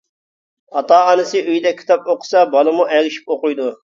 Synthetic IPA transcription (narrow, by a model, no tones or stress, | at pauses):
hɑt̪ɑːɑnɨsɨʔyjd̪ɛkʲʰːt̪ɑp̚oqʰʊ̥sɑbɑlˠɨmuʔɛɡʲɪʃi̥p̚oqʊjd̪u